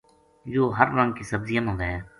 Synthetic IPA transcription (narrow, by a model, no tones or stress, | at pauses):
d͡ʒoːɦəɾɾə̃ŋɡ̚kiːsəbzijənɦõːnd̪aɦɛː